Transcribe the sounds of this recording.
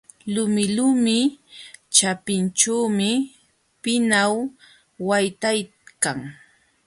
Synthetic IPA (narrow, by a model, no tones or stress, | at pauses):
lʊmɪlʊmɪ | t͡ʃapɪnt͡ʃuːmɪ | pɪnawː | ajt̪aj | kaŋ